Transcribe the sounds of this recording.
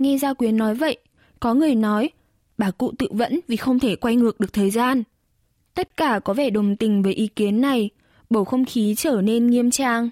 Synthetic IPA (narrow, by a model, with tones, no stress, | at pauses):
ŋɛ˧zaː˧kwi˨˦ənːɔ˨˦jvə̰˧˨j | kɔ˨˦ŋɨ˨˩əjnɔ˨˦j | ɓaː˧˩kṵ˧˨t̪ɨ̰˧˨və̰˧˥nvi˨˩xə˧wŋ͡mt̪ʰe˧˩kwa˧jŋɨ˨˩ək̚ɗɨ˨ək̚t̪ʰəː˨˩jzaː˧n | t̪ə˦˥t̚kaː˧˩kɔ˨˦vɛ˧˩ɗə˨˩wŋ͡mt̪ï˨˩ŋ̟vəː˨˦jʔi˨˦ki˨˦ənːa˨˩j | ɓo˧˩xə˧wŋ͡mxi˨˦t͡ɕəː˧˩ne˧nŋi˧əmt͡ɕaː˧ŋ